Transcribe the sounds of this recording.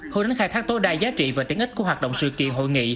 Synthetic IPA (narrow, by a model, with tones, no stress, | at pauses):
ho˧˨ɗa˨˦ŋxaː˧jt̪ʰaː˦˥k̚t̪o˨˦jɗaː˧˩jzaː˨˦t͡ɕḭ˧˨vaː˨˩t̪i˨˦əŋʔi̟˦˥ku˧˩əɦwaː˨˩t̚ɗə̰˧˨wŋ͡msɨ̰˧˨kḭ˧˨ənɦo̰˧˨jŋḭ˧˨